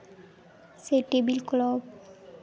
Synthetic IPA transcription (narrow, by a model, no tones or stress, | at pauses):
seʈebilklɔb